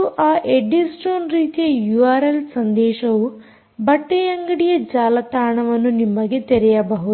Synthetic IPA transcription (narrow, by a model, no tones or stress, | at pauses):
uʔaːʔeɖːisʈoːnɾiːt̪ijɐjuaːɾelsɐnd̪ɛːʃɐʋu | bɐʈːejɐŋɡɐɽijɐd͡ʒaːlɐt̪aːɳɐʋɐnːunimːɐɡet̪eɾɛjɐbɐɦu